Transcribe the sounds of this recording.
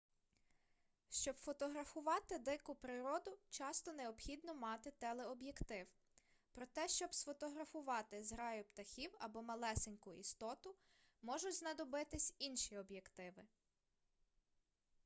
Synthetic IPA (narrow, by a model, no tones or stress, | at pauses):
ʃt͡ʃɔbfɔt̪ɔɦɾɐfʊʋɑt̪ɪd̪ɪkʊpɾɪɾɔd̪ʊt͡ʃɑst̪ɔneɔbxʲid̪nɔmɑt̪ɪt̪ɛlˠɛɔbjekt̪ɪw | pɾɔt̪ɛʃt͡ʃɔbsfɔt̪ɔɦɾɐfʊʋɑt̪ɪzɦɾɑjʊpt̪ɐxʲiwɐbɔmɐlˠɛsenʲkʊḭst̪ɔt̪ʊ | mɔʒʊtʲznɐd̪ɔbɪt̪ɪsʲinʃiɔbjekt̪ɪʋɪ